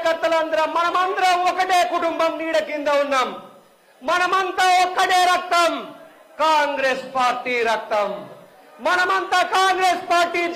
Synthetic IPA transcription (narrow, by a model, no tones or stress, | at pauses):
kɐɾt̪ːɐlɐnd̪ɐɾɐmmːɐnɐmɐnd̪ɐɾɐmɔkːɐʈeːkuʈumbɐmniːɽɐkːind̪ɐund̪ɐm | mɐnɐmɐnt̪ɐɔkːɐʈeːɾɐk̚t̪ɐm | kaːŋɡɾeːspaːɾʈiːɾɐk̚t̪ɐm | mɐnɐmɐnt̪ɐkaːŋɡɾeːspaːɾʈiː